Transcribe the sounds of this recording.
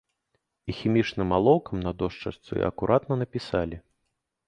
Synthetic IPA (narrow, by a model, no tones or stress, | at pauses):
ixʲimʲit͡ʂnɨmːalˠɔwkɐmnɐd̪ɔʂt͡ʂɐ̰st̪sṵḭɐ̰kuɾʔat̪nɐnɐpʲisalʲi